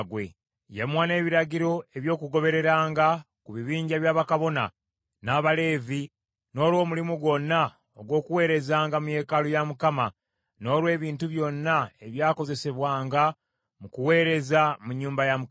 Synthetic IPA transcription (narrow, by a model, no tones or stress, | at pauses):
ɡwe̞̰ | jemwaːne̞ːβiɾaɟiɾo̞e̞βjo̞ːkuɡo̞βe̞ɾe̞ɾaːŋɡa | kuβiβiːɲɟaβjaːβakaβo̞na | naːβale̞ːvi | no̞ːlwo̞ːmulimuɡwo̞nːa | oɡwo̞ːkuwe̞ːɾe̞zaːŋɡamuje̞ːkalojamukama | no̞ːlwe̞ːβiːntuβjo̞nːaeβjaːko̞ze̞se̞βwaːŋɡa | mukuwe̞ːɾe̞zamuɲːuːmbajamu